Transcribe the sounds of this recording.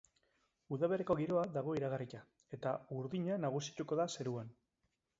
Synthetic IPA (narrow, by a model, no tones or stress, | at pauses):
uðaβ̞e̞ɾeko̞ɣiɾo̞ad̪aɣ̞o̞iɾaɣ̞arica | e̞t̪auɾðiɲanaɣ̞usi̥t̪uko̞ðase̞ɾuan